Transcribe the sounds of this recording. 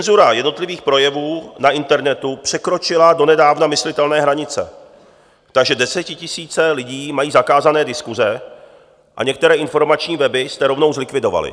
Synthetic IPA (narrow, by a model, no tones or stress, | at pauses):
ɛnzuɾajɛdnot̪lɪviːxpɾo̞jɛvuːnaʔɪnt̪ɛɾnɛt̪upr̝̥ɛkɾo̞t͡ʃɪlado̞nɛdaːvnamɪslɪt̪ɛlnɛːɦɾaɲɪt͡sɛ̰ | t̪aɡʒɛdɛsɛcɪcɪsiːt͡sɛlɪɟiːmajiːzakaːzanɛːdɪskuzɛ | ʔa̰ɲɛk̚t̪ɛɾɛːʔɪnfo̞ɾmat͡ʃɲiːvɛbɪst̪ɛɾo̞vno̞wzlɪkvɪdo̞va̰lɪ̰